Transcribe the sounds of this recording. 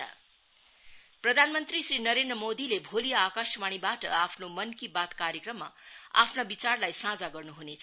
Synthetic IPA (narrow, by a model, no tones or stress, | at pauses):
prʌd̪ʱanmʌnt̪risrinʌɾend̪rʌmod̪ilebʱolijaakasmaɽ̃ibaʈʌ̰apʰnomʌnkibat̪kaɾjekrʌmːa̰a̰pʰnabit͡sarlajsãd͡zaɡʌrnuɦunet͡sʰʌ